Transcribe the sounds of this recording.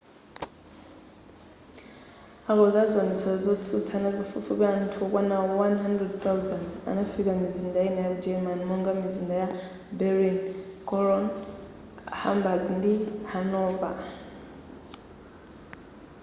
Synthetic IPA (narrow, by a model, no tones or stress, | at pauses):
akɔzad͡zɔnɛt͡sʰɔɔd͡zɔt͡sʰut͡sʰanakufufupian̩tʰukʼwanaɔɔwanɦandrɛd̚θawzanda̰nafikamizindajinɛjaud͡ʒɛmanmɔŋɡamizindaja | bɛɾinkʼɔlɔn | ha̰mbadndihanɔpa̰